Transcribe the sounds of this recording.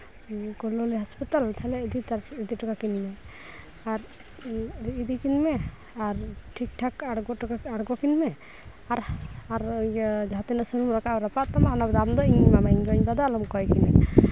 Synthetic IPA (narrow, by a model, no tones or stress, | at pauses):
kɔloliɦaspit̪alt̪ʰalɛid̪it̪aɾid̪iʈakakinmɛ | aɾ | d̪ikinmɛ | aɾʈʰik̚ʈʰakaɽɡɔʈakaaɽɡɔkinmɛ | aɾaɾd͡ʒat̪inasuɾumɾakaɾapaʔt̪amaanabd̪amd̪ɔiɲmamaiɲɡɔɲbad̪alɔmkɔjkinɛ